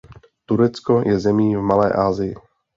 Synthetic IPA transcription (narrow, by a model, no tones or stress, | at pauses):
t̪uɾɛt͡skɔjɛzɛmiːvmalɛ̰ːʔaːzɪjɪ̰